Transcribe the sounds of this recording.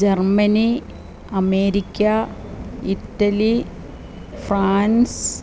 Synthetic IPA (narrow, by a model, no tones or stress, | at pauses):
d͡ʑermɐni | ɐmeːɾikʲːɐ | itːɐli | fraːns